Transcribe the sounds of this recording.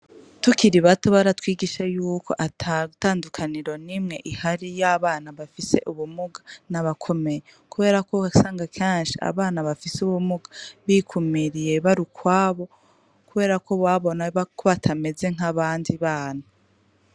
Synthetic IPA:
tukiɾiβatoβaɾatwiːɡiʃajuːko̞̰ʔatʰataːndukʰaniɾo̞nimŋe̞ʔihaɾijaβaːnaβafise̞̰ʔuβumuɡḁnaβakʰo̞me̞je | kuβe̞ːɾakosaːŋɡakʰeːnʃiʔa̰βaːnaβafisuβumuɡḁβikʰumiɾije̞βaɾukwaːβo̞ | kuβe̞ːɾakʰo̞βwaβo̞nakʰoβatʰame̞ze̞ŋ̥aβaːndiβaːna

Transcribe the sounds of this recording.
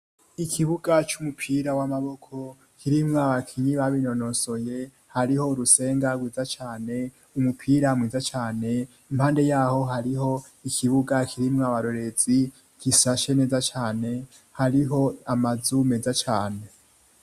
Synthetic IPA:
ikʰiβuɡat͡ʃumupʰiɾawamaβo̞kʰo̞ | kʰiɾimŋaβakʰiɲiβaβino̞no̞so̞je̞ | haɾiho̞uɾuse̞ːŋɡaɡwiːzat͡ʃaːne̞ | umupʰiːɾamŋiːzat͡ʃaːne̞ | imhaːnde̞jaːho̞ɦaɾiɦo̞ | ikʰiβuɡakʰiɾimŋaβaɾo̞ɾe̞z̥i | kisaʃe̞ne̞ːzat͡ʃaːne̞ | haɾiɦo̞amazume̞zat͡ʃaːne̞

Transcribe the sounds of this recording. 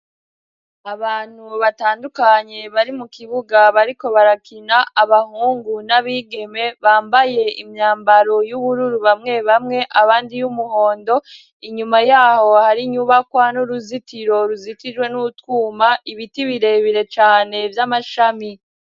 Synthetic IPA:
aβaːn̥huβataːndukaɲe̞βaɾimukiβuɡaβaɾiko̞βaɾakinaaβahuːŋɡunaβiːɡe̞me̞βaːmbaje̞imɲaːmbaɾo̞juβuɾuɾuβamŋe̞βamŋe̞ʔaβaːndijumuho̞ːndo̞ | iɲumajaːho̞haɾiɲuβakwanuɾuzitiɾo̞ɾuzitid͡ʒwe̞nuutkuːmaiβitiβiɾe̞βiɾe̞t͡ʃaːne̞vjamaʃami

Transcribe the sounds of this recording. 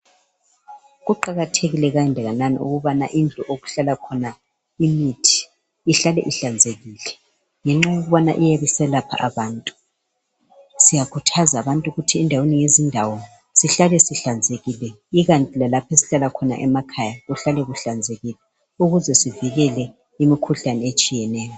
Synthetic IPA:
ɣuǃaɣatʰeɣilɛɣaɛndʱɛɣananḭṵɣuβana̰ʔind͡ɮʱuʔoɣuɬalakʰɔna | imitʰi̥ | iɬalɛʔiɬand͡zʱeɣiːlɛ | ŋɛŋ͡ǁajoɣuβana̰ʔijeβisɛlapʰa̰ʔaβaːntʼu̥ | sijakʰutʰazaːβantʼuɣutʰiɛndʱaweniŋezindʱawɔ | siɬalɛsiɬand͡zʱeɣilɛ | iɣantʼilalapʰesi̥ɬalakʰɔna̰ʔɛmakʰajaɣuɬalɛɣuɬand͡zʱeɣilɛ | uɣuzɛsiviɣɛlɛ | imikʰuɬanɛet͡ʃʼijɛnɛːjɔ

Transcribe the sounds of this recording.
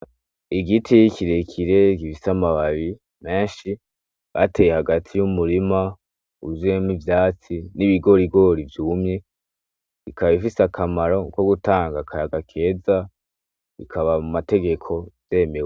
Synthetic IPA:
iɡitʰijikʰiɾekʰiɾe̞kifisamaβaβi | me̞ːnʃi | βa̰tejehaɡatʰijumuɾima | uzemivjaːt͡siniβiɡo̞ɾiɡo̞ɾivjuːmɲe̞ | ikaββifisakʰamaɾo̞ko̞ɡutaːŋɡakʰaɾaɡakʰe̞ːza | ikʰaβamumate̞ɡe̞kʰo̞z̥e̞ːmewe

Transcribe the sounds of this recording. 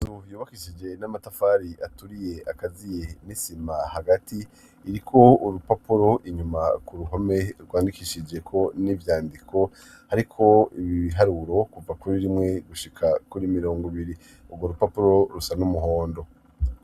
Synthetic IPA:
zuvjuːβakiʃid͡ʒe̞namatafaːɾiʔatuɾije̞akazije̞nisimahaɡatiː | ɾikʰo̞uɾupapuɾo̞ʔiɲumakuɾuɦome̞ɾɡwaːndikiʃid͡ʒe̞kʰo̞nivjaːndikʰo̞ | haɾikʰo̞iβiiɦaɾuɾo̞kuvakuɾiɾimŋe̞ɡuʃikʰakuɾimiɾo̞ːŋɡoβiɾi | uɡwoɾupapuɾo̞ɾusanumuɦoːndo̞

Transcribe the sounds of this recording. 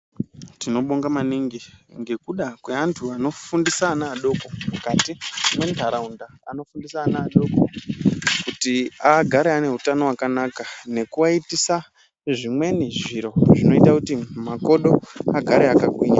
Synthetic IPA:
tino̞ɓoŋɡamaniŋɡiŋɡe̞kuɗakwe̞antʰuano̞fundisaːnaːɗo̞ko̞mukatimwentaɾaunda | a̰no̞fundisaːnaːɗo̞ko | kutiaɡʱaɾeane̞ɦutano̞wakanakane̞kuwaitisa | ʐimwe̞niʐiɾo̞ʐino̞itakutimako̞ɗo̞aɡʱaɾeakakwiːɲa

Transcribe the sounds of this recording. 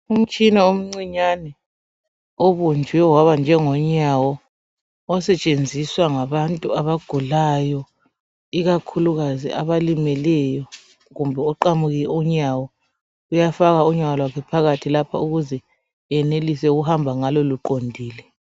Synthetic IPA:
um̩t͡ʃʼinaom̩ŋ͡ǀiɲanɛ | oβund͡ʒʱwɛwaβand͡ʒʱɛŋɔɲawɔ | ɔsɛt͡ʃʼend͡zʱiswaŋaβantʼuaβaɡ̥ʱulajɔ | iɣakʰuluɣazḭʔa̰βalimɛlɛjɔ | ɣumbʱɛɔǃamuɣiɛuɲawɔ | ujafaɣauɲawɔlwakʰɛpʰaɣatʰilapʰa̰uɣuzɛ | ɛnelisɛuɣuhambʱaŋaloluǃondʱiːlɛ

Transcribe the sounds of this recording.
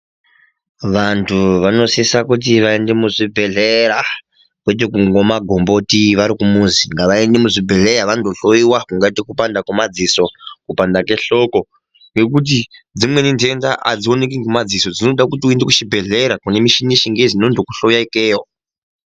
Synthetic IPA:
ʋantʰuʋano̞sisakut̬iʋaende̞muʐibʱe̞ɮeɾa | kwet̬ek̬uŋɡo̞maɡʱo̞mbo̞tiʋaɾikumuziŋɡaʋae̞ndemuʐibʱe̞ɮeɾaʋandoɬoiwakuŋɡatikupandakumad͡ziso̞kupandake̞ɬo̞ko̞ | ŋɡe̞kut̬id͡zimwe̞nintendaʔa̰d͡zio̞nek̬iŋɡemad͡ziso̞d͡zino̞ɗakutiuendekuʃibʱe̞ɮeɾakune̞miʃiniʃiŋɡezinondokuɬojaikeːwo

